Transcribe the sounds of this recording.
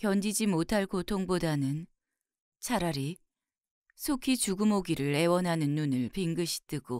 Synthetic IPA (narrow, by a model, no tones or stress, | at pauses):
kjʌnd͡ʑid͡ʑimotʰaɭkotʰoŋbodanɯn | t͡ɕʰaɾaɾi | sʰokʰit͡ɕuɡɯmoɡiɾɯɭe̞wʌnɦanɯnːunɯɭpiŋɡɯɕʰi̥t͈ɯɡ̥o